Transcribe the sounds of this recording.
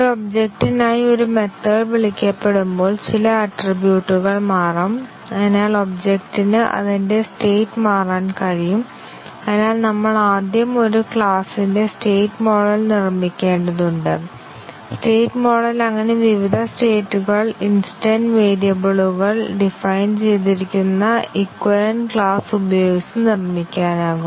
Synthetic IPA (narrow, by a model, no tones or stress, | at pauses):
obd͡ʑek̚ʈinaːjio̞ɾume̞t̪ːɐlʋiɭikʲːɐpːe̞ɽumbo̞ːlt͡ɕilɐɐʈribjuːʈːuɣɐɭmaːrɐm | ɐðɐnaːɭo̞bd͡ʑekʈinɨʔɐ̰ðinde̞steːtːmaːraːnkɐɻijum | ɐðnaːlnɐmːɐɭaːd̪jɐmo̞ɾukɭaːsinde̞sʈeːʈːmo̞ːɖɐlnirmikʲːe̞ːɳɖɐðuɳɖɨ | sʈe̞ːʈːmo̞ːɖɐlɐŋːɐne̞ʋiʋid̪ʱɐsʈe̞ːtːuɣɐɭinsi̥ʈɐnɖʋeːɾijɐbuɭuɣɐɭɖifɐjnt͡ɕe̞jt̪̬iɾikʲːunːɐikwɐlɐnkɭaːsubɐjo̞ːɡit͡ɕːɐmnirmikʲːaːnaːɣum